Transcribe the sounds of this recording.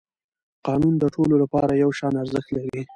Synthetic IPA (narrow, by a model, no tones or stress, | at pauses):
qɑnund̪əʈʰololapɑɾajawʃɑnaɾzəxt̪lawi